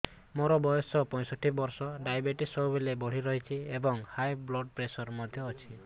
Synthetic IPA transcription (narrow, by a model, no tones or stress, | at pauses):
moɾɔbɔjɔsɔpɔ̃jsɔʈʰibɔɾsɔɖajbeʈisɔbubelebɔɽ̤iɾɔɦit͡ʃʰiebɔŋhajblɔɖ̚pɾesɔɾmɔd̪ʱjɔːt͡ʃʰi